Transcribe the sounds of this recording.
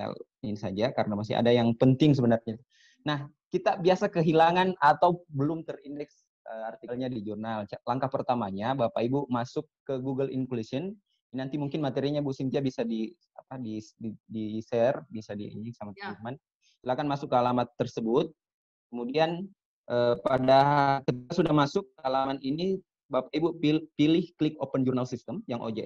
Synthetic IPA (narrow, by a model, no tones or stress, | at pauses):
ɛ̰l | ɪnsad͡ʒaka̰ɾənamasɪ̰ha̰dajaŋpənt̪ɪŋs̬əbənarɲat̪ | nah | kit̪abiasakəɦilaŋanat̪awbəlʊmt̪ərindɛks | əart̪iklɲadid͡ʒurnalt͡ʃlaŋkahpərt̪amaɲabawapaibumasʊkːəɡuɡəlʔḭŋkulisən | nant̪imuŋkɪnmat̪eɾiɲabusint̪iabisadi | apadididisɛrbisadḭḭɲɪŋsamat̪iman | silakanmasʊkːəalamat̪ːərsəbʊt̪̚ | kəmudian | ʔəpadakət̪ikasudahmasʊk̚ːəalamanini | bapaibupipilɪhklɪkopənd͡ʒurnalsist̪əmjaŋʔo̰d͡ʒa